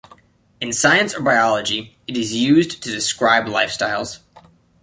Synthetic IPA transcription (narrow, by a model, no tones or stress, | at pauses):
ɨ̃nsaɪɨ̃nsə˞baɪɑlˠəd͡ʒi | ɨɾɨzjʉztʰɨdɨskɹaɪblaɪfstaɪlˠz̥